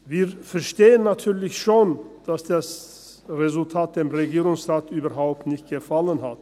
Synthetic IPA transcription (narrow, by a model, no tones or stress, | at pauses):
viːfɛɐʃteːənːatʰyːɐlɪçʃoːnd̥asd̥as | ʁezʊltʰaːt̚d̥eːmʁeɡiːʁʊŋsʁaːtyːbɐɦaʊp̚tnɪçt̚ɡ̥əfalənɦat